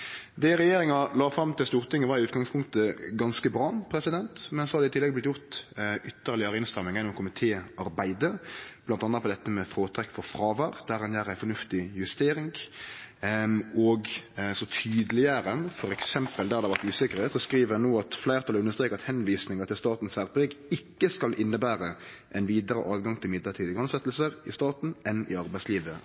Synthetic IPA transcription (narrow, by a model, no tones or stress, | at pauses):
d̪ɛɾɛjeːɾɪŋɑlɑːfɾɑmːt̪ʰɪlst̪uːɾt̪ʰɪŋːəʋɑɾɪʉːt̪̚ɡɑŋspʰʊŋkt̪əɡɑnskəbɾɑːpʰɾɛsɪd̪ɛnt̪mɛnsɔhɑɾd̪ɛɪt̪ɪlːɛɡ̚blɪt̪jʊt̪ʏt̪ːəʁlɪɑɾɪnst̪ɾɛmːɪŋjɛnːɔmkʰʊmɪt̪ʰeːɑɾbæɪd̪əb̥lɑnt̪ɑnːɑpɔd̪ɛt̪ːəmɛfɾoːt̪ʰɾɛkːfɔɾfɾɑːʋɑɾd̪̥æɾɑnjæːɾæɪfɔɾnʉft̪ɪjʉst̪eːɾɪŋ | ɔɡsɔt̪ʰyːd̪əlɪəɾəfɔɾɛksɛmpəld̪æʁɑd̪ɛʋæʁt̪ʉːsɪkːəɾəsɔskɾiːʋəɾɛnoːɑt̪flæɪʁt̪ʰɑlʉnəst̪ɾeːkːɑt̪hɛnʋiːsnɪŋɑɾt̪ɪlst̪ɑːt̪n̩sæʁpɪɡɪkːəskɑlʔɪnːəbæːɾə | ʔɛɪnʋiːd̪əɾə̰ʔɑːʋɡɑŋt̪ʰɪlmɪd̪ləʈʰiːd̪əɡʁʉnsɛt̪ːlsəɾɪst̪ɑːt̪n̩ɛnɪɑɾbæɪtsliːʋə